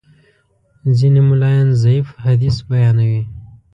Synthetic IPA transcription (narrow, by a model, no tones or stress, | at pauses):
zinemʊlɑjanzaifhad̪isbajɑnawi